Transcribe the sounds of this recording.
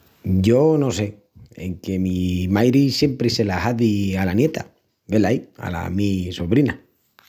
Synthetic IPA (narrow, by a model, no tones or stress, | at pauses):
ɟ͡ʝo̞no̞se̞ | ḛŋkemimajɾisje̞mpɾise̞laɦaðialanje̞t̪a | be̞laia̰la̰misoβɾina